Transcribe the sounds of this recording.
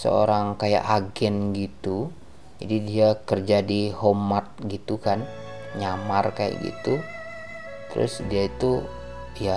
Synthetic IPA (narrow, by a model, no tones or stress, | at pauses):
sə̰o̰ɾaŋkaja̰ʔaɡɛnɡit̪u | d͡ʒadidiakərd͡ʒadihomat̪̚ɡit̪ukan | ɲamarkaja̰ʔɡḭt̪u | t̪əɾʊ̰sdiait̪u | ja